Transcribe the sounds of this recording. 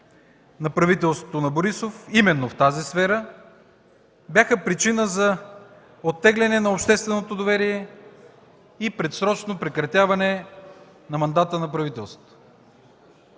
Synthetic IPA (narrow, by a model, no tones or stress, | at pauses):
nɐpɾɐvit̪ɛlˠst̪vo̥t̪onɐboɾisofimɛnːoft̪azisfɛɾə | bjaxəpɾit͡ʃinəzɐ | ot̪ːɛɡlʲɛnɛnɐopʃt̪ɛst̪vɛnot̪od̪ovɛɾiɛ | ipɾɛt̪sɾɔt͡ʃnopɾɛkɾɐt̪ʲjavɐnɛ | nɐmɐnd̪at̪ənɐpɾɐvit̪ɛlˠst̪vo̥t̪o̥